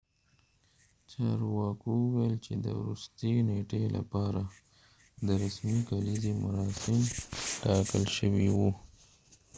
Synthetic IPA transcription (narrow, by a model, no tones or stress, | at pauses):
t͡ʃɑɾwɑkuwajəlt͡ʃed̪ə̰wɾust̪eneʈelʔa̰pɑɾa | d̪əɾasmikalizimʊɾɑsɪmʈɑkəlʃəwiwu